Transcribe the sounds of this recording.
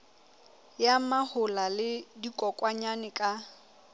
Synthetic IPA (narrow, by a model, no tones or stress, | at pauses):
jamahʊlalɪdikʼɔkʼwaɲanɪkʼa